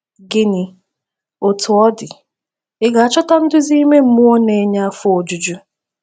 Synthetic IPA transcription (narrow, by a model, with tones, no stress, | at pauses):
ɡɪ˦ni˨ | o˨tʰʊ˨ɔ˦dɪ˨ | ɪ˦ɡa˨a˦t͡ʃɔ˦ta˦n̩˦dʊ˦zi˦i˦me˦m̩˦mʊ˦o˦ne˨˦ɲa˦a˦fʊ˦o˨d͡ʒu˨d͡ʒu˦